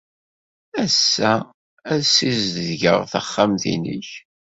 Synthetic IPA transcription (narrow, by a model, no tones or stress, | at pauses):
æsːæ | æðsizððʝə̰ʁθəχːamθḭnḭç